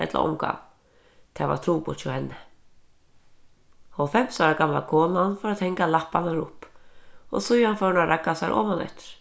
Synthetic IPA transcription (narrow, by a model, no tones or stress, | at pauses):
ɛ̰t̪la̰ʔɔ̰mka̰m | t̪ʰava̰̥t̪ʰɾuːpu̥t͡ʃɔhɛnːɪ | ɔɣfɛm̥saɾakamla̰kʰɔːnanfaɾaðhɛŋkalahpanaɾʊhp | ɔ̰ɣsujhanfœwnarakːasaɾʔɔ̰ːmhanɛ̰ht̪ɪ̥ɾ̥